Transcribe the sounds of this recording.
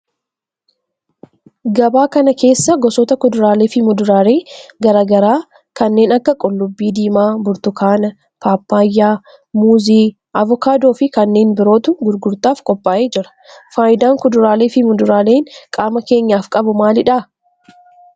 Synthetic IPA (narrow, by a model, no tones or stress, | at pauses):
ɡɐbaːkɐnɐke̞ːsːɐɡɔsɔt̪ɐkʊd̪ʊɾaːleːfɪmʊd̪ʊɾaːle̞ːɡɐɾaːɡɐɾaː | kɐnːe̞ːnɐkːɐkʼɔlːʊbːiːd̪iːmaːbʊɾt̪ʊkʰaːnɐ | paːpːaːjːaː | muːziː | ʔɐvɔkaːd̪o̞ːfɪkɐnːe̞ːnbɪɾo̞ːt̪ʊɡʊɾɡʊɾt̪aːfkʼɔpʼːaːʔeːd͡ʒɪɾɐ̥faːʔɪd̪aːŋkʊd̪ʊɾaːle̞ːfɪmʊd̪ʊɾaːle̞ːŋkʼaːmɐke̞ːɲːaːfkʼɐbʊmaːlɪᶑaː